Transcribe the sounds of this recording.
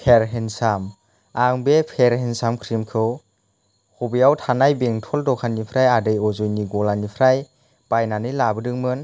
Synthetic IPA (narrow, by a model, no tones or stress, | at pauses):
pʰeɾɦensam | aŋbepʰeɾhensamkʰɾimkʰɯw | hubijawtʰanajbeŋtʰɔldɔkʰanipʰɾajadɯjɔzɔjniɡɔlanipʰɾaj | b̥ajnanɯjlabɯdɯŋmɯn